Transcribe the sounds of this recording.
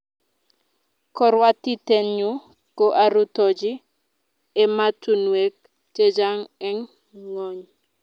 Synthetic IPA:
kɔ˦ɾwa˦ti˦tenɲu | ko˦ʔaɾutɔd͡ʒi˦ | ematu˨nwek̚ | te˦d͡ʒa˦ŋɛ˦ŋː | o˨ɲ

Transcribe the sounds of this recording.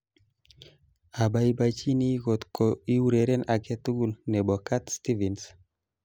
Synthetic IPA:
a˨ba˦i˦ba˦t͡ʃi˦ni˦ɡo˨t̪ko˨i˦u˦ɾe˨ɾɛ˦na˨kɛ˦t̪u˦ɡu˦lnɛ˨bɔ˨ka˦t̪st̪i˦vi˨ns

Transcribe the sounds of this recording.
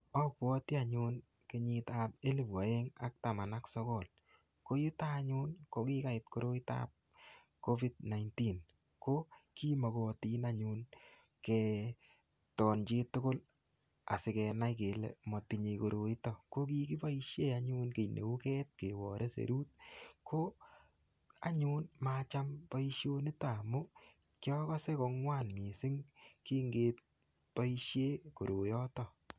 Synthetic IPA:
ɔ˦pwɔ˧ti˦a˨ɲu˧n | ke˨ɲi˧ta˨p̚e˦li˨pwa˨e˦ŋa̰˨k̚ta˨ma˨na˦ksɔ˦kɔ˨l | ko˦ji˦ta˦ɲʊ˦nko˦ki˦ka˨ɪ˨t̚ko˦ɾo˦i˦ta̰p̚ | ko˦vi˦d̚na˨jnti˦n | ko˦ki˦mɔ˨kɔ˧ti˦na˦ɲun | kɛ˧ | tɔ˨nt͡ʃe˦tʊ˦ko˦l | a̰˨sɪ˨kɛ˧na˦jke˨lḛ˨mɔ˨ti˨ɲe˧ko˨ɾo˨i˦tɔ˦ko˦ki˦ki˦pa˦i˦ʃje˦a˦ɲu˦nke˨nḛ˨u˦kɛ˦t̚ke˨wɔ˨ɾʔe˦sḛ˨ɾuː˦t̚kʰo˦ | a̰˨ɲu˦nma˦t͡ʃa˦mpa˦i˦ʃjo˦nɪ˦ta˨mʊ˦ | kjɔ˦kɔ˦se˦ko˧ŋwaː˦nmi˨sɪ˦ŋkiː˦ŋɡeː˦t̚ | pa˦i˦ʃje˦ko˨ɾo˨jɔ˦tɔ˦

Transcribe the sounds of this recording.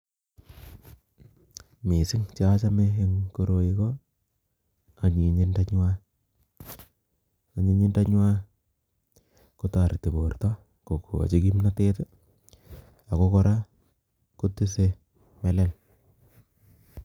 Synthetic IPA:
me˨sɪ˦ŋt͡ʃa˦t͡ʃa˦me˦e˦ŋko˦ɾo˨ji˦kɔ˦ | a˨ɲi˨ɲi˦nda˦ɲwa˦ | a˨ɲi˨˦ɲi˦nda˦ɲwa˦ | ku˦ta˨ɾte˨bo˨rtɔ˦ | ko˨ko̰˨a̰˨t͡ʃe˦ki˦mna˦te˦te˦ | a˨ko˦kɔ˦ɾʔa˦ | ku˦ti˦se˦ | me˨lɛ˦l

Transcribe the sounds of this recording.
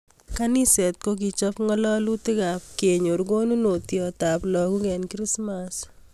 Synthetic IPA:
kani˦sɛ˨t̪̚ko˦ɡ̬i˨t͡ʃɔ˦pŋɔ˦lɔ˦lu˦t̪ɪ˦ɡa˨pke˨ɲo˨ɾɡo˦nu˦no˨t̪jɔ˨t̪a˨plɔ˨ɡu˦ɡɛ˨nkɾi˦smas

